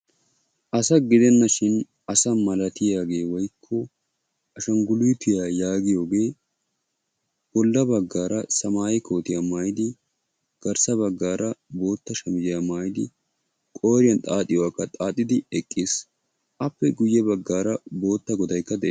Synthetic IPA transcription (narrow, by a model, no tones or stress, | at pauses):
ʔɐsɐɡɪd̪ɛnːɐʃɪn | ɐsɐmɐlɐt̪ɪjaːɡe̞ːwɔjkʰːɔ | ʔɐʃɐŋɡʊlʊjt̪ʊjaːjaːɡɪjo̞ːɡe̞ː | b̥ɔlːɐbɐɡːaːɾɐsɐmaːjɪkʰo̞ːt̪ɪjamaːjɪd̪ɪ | ɡ̥ɐɾsɐbɐɡːaːɾɐbo̞ːt̪ːɐʃɐmɪd͡ʒɪjamaːjɪd̪ɪ | kʼo̞ːɾɪjɐnt̪ʼaːt̪ʼɪjwaːkːɐt̪ʼaːt̪ʼːɪd̪ɪɛkʼːɪːs | ʔɐpːɛɡʊjːɛbɐɡːaːɾɐbo̞ːt̪ːɐɡɔd̪ɐjkːɐd̪ɛʔː